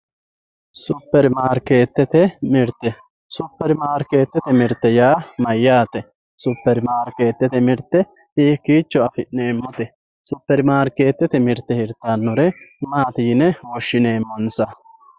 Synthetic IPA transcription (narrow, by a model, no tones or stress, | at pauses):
sʊpːɛɾmaːɾke̞ːt̪ːɛt̪ɛmɪɾt̪ːɛ | sʊpːɛɾmaːɾkeːt̪ːɛt̪ɛmɪɾt̪ːɛjaːmɐjːaːt̪ɛ | sʊpːɛɾɪmaːɾke̞ːt̪ːɛt̪ɛmɪɾt̪ːɛ | hiːkːiːt͡ʃːɔɐfɪʔneːmːʊt̪ɛ | sʊpːɛɾɪmaːɾke̞ːt̪ːɛt̪ɛmɪɾt̪ːɛhɪɾt̪ːanːʊɾɛmaːt̪ɪjɪnɛwɔʃːɪneːmːɔnsɐ